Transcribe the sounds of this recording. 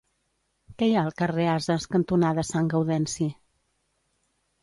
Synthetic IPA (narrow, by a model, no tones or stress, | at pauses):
kɛjaəlˠkəreazəskənt̪unaðəsaŋɡəwðɛnsi